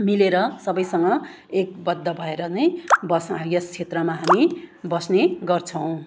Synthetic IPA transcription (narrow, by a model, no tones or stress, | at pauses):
mileɾʌsʌbʌjsʌŋɡʌ | ek̚bʌd̪ːʌbʱʌeɾʌnʌjbʌsʌjʌst͡sʰet̪rʌmaɦamibʌsneɡʌrt͡sʰʌw̃